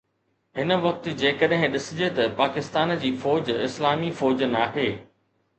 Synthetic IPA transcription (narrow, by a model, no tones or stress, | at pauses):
ɦɪnə̆ʋɐk̚t̪̆d͡ʑeːkəɗɦɪ̃ɗɪsɪd͡ʑet̪ɐpaːkɪst̪aːnd͡ʑiːfɔːd͡ʑɪslaːmifɔːd͡ʑnaːɦeː